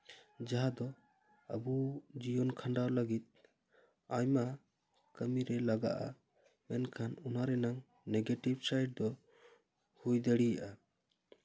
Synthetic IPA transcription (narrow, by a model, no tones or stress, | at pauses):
d͡ʒaɦad̪ɔ | ə̰bud͡ʒijɔnkʰaɳɖawləɡit̪̚ | ajma | kəmiɾɛlaɡa̰ʔa̰ | mɛnkʰanunaɾɛnaŋ | nɛɡeʈibsajɖ̚d̪ɔ | hujd̪əɽijaʔa